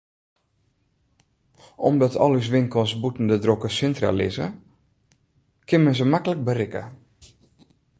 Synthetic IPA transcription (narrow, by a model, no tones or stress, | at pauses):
ʔɔ̰mdɔtʰɔ̰lys̬ʋɪnkɔsbutn̩dədrokəsɪntra̰lɪ̰zə̰ | kʰɪnmənzəmakələk̚bərɪkə̰